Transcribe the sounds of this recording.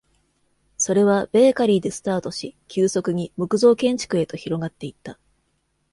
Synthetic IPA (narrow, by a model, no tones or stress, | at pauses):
so̞ɾe̞β̞ab̥e̞ːkaɾʲiːd̪e̞sɨ̥t̪aːt̪o̞ɕikʲɨːso̞kɯ̟ɲ̟imɯ̟kɯ̟zo̞ːkẽ̞ɲ̟t͡ɕi̥kɯ̟e̞t̪o̞çiɾo̞ɡat̪ːe̞it̪ːa